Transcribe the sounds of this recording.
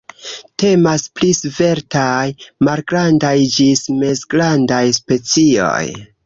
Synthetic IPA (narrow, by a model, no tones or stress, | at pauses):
te̞masplisve̞ɾtajmalɡɾandajd͡ʒisme̞zɡɾandajspe̞t͡sio̞̰j